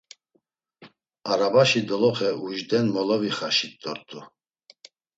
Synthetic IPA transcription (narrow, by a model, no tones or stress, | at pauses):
aɾabaʃid̪ɔlɔχɛuʒd̪ɛnmɔlɔviχaʃit̪ːɔɾt̪ʼu